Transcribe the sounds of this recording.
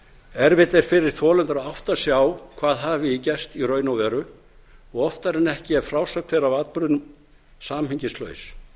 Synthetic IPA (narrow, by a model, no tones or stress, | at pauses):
ɛɾvɪt̪ɛɾ̥fɪɾɪɾ̥θʰɔːlœnt̪ɾaawht̪asjawkʰvaːðɦaːvɪicɛst̪iɾœːɥnawvɛːɾʏ | ɔɣɔft̪aɾɛnɛhcɪɛɾfɾaːwsœk̚t̪θejɾavaːt̪pɾʏðnʏm | saːmhiɲcɪslœ̰ːɥs